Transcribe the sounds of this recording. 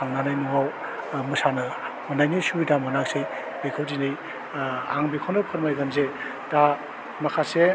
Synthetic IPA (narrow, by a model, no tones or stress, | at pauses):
aŋnanajnuwaw | mɯsanɯ | mɯnajnisuidamanak̚sɯj | bekʰawdinɯj | a̰ŋbikʰawnɯpʰɯɾmajɡanze | ta | makʰase